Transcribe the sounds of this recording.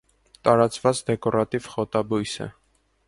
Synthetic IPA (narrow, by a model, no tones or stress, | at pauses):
t̪ɑɾɑt͡svɑt͡sd̪ɛkɔɾɑt̪iv̥χɔt̪ɑbujsə̰